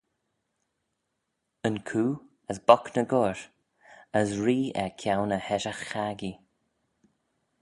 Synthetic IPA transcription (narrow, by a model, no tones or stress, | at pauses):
ənkʰuː | əsbɔknəɡɔɹ | əsɹiːɛ̰kʰjawnəhɛʃaxːaɡi